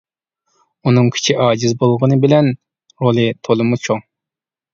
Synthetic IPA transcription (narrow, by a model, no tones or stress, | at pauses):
unɨŋkʲʰi̥t͡ʃʰiʔɑːd͡ʒizbolˠʁənɨbɪlɛn | ɾolˠɨt̪ʰolˠɨmut͡ʃʰoŋ